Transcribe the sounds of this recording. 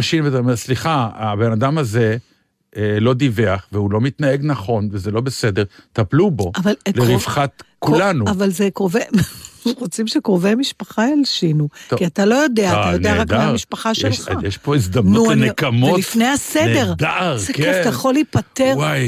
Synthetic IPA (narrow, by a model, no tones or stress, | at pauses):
ʃinvet̪aomeʁsliχaabenad̪amaze | lo̞d̪iveaχveulo̞mit̪naeɡnaχo̞nvezelo̞besed̪e̞ʁt̪aplubo̞avalleʁifχat̪kullanuavalzekʁoveʁot͡simʃekʁovemiʃpaχaelʃinukiat̪alo̞jo̞deat̪ajoneaʁakd̪aaiʃpaχaʃelʃχajeʃpo̞izd̪amnuuanekamotlifnejasedeʁd̪aʔaʁzekeftajeχolipat̪eʁwaj